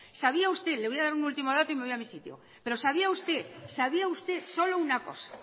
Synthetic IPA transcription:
saβiaust̪eleβo̞jaðaɾunult̪imoð̞at̪oimeβiamisit̪jo̰ | pe̞ɾosaβ̞iaust̪esaβ̞iaust̪esolounako̰sḁ

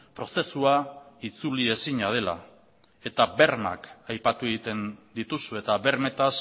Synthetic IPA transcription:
pɾo̞se̞suait͡sulie̞siɲað̞e̞la̰ | e̞t̪abe̞ɾma̰kajpat̪ue̞ɣit̪e̞nd̪it̪usue̞t̪aβe̞ɾme̞t̪as

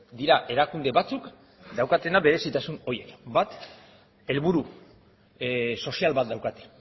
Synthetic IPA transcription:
d̪iɾaʔe̞ɾakund̪e̞βat͡suk | d̪awkat̪e̞naβe̞ɾe̞sit̪asuno̞je̞kbat̪ | e̞lβuɾu | so̞sialβat̪̚d̪awkat̪e

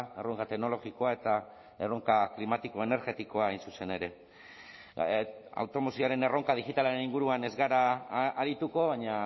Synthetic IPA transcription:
e̞ro̞ŋkat̪e̞ɡno̞lo̞ɣiko̞ae̞t̪a | e̞ro̞ŋkaklimat̪iko̞e̞ne̞ɾɣe̞t̪iko̞aajnsuse̞ne̞ɾe̞ | a̰wt̪o̞mo̞sioaɾe̞ne̞ro̞ŋkað̞iɣit̪alaɾe̞niŋɡuɾuane̞zɣaɾaaɾit̪uko̞βaɲa

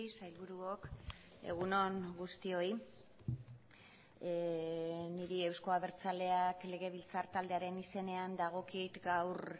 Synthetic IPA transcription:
isajlβuɾuok | e̞̰ɣ̞uno̞ŋɡust̪io̞i | niɾie̞wsko̞aβe̞ɾt͡sale̞akle̞ɣ̞e̞β̞ilt͡saɾt̪ald̪eaɾe̞nise̞ne̞and̪aɣ̞o̞kit̪ɡawɾ

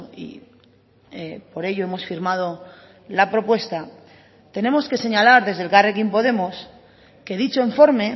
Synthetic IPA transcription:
ḭ | epo̞ɾe̞ʎo̞e̞mo̞sfiɾmað̞o̞ | lapɾo̞pwe̞st̪a | t̪e̞ne̞mo̞ske̞se̞ɲalaɾðe̞zð̞e̞lɣarekimpo̞ðe̞mos | ke̞ðit͡ʃoeɱfo̞ɾme̞

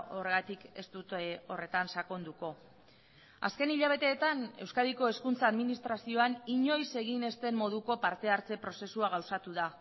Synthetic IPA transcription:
o̞re̞ɣ̞at̪ike̞st̪ut̪o̞re̞t̪ansako̞nd̪uko̞ | a̰ske̞niʎaβ̞e̞t̪e̞ːt̪ane̞wskaðiko̞e̞skunt͡saːðminist̪ɾasio̞aniɲo̞jse̞ɣ̞ine̞st̪e̞mːo̞ð̞uko̞paɾt̪e̞aɾt͡se̞pɾo̞se̞suaɣ̞awsat̪uða

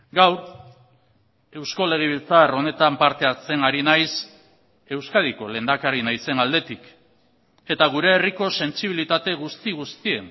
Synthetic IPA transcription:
ɡawɾ | e̞wsko̞le̞ɣ̞eβ̞ilt͡saro̞ne̞t̪ampaɾt̪e̞at͡se̞ŋaɾinajs | e̞wskað̞iko̞le̞ːnd̪akaɾinajse̞nald̪e̞t̪ik | e̞t̪aɣ̞uɾe̞ːriko̞se̞nt͡ʃiβ̞ilit̪at̪e̞ɣ̞ust̪iɣust̪ie̞n

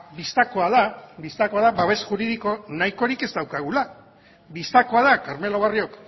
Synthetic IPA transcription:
bist̪ako̞aðaβist̪ako̞aðaβaβe̞sʝuɾiðiko̞najko̞ɾike̞zd̪awkaɣ̞ula | bist̪ako̞aðakaɾme̞lo̞βario̞k

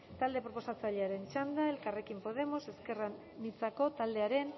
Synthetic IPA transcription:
t̪ald̪e̞pɾo̞po̞sat͡saʎe̞aɾe̞nt͡ʃand̪ae̞lkare̞kimpo̞ð̞e̞mo̞se̞ske̞ra | nit͡sako̞t̪ald̪e̞aɾe̞n

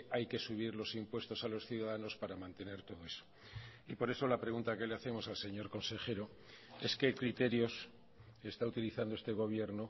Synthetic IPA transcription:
ajke̞suβ̞iɾlo̞simpwe̞st̪o̞salo̞sθjuðaðano̞spaɾamãnt̪e̞ne̞ɾt̪o̞ðo̞e̞so | ipo̞ɾe̞so̞lapɾe̞ɣ̞unt̪ake̞le̞aθe̞mo̞salse̞ɲo̞ɾko̞nse̞xe̞ɾo̞ | e̞ske̞kɾit̪e̞ɾjo̞s | e̞st̪aut̪iliθand̪oest̪e̞ɣ̞o̞β̞je̞ɾno

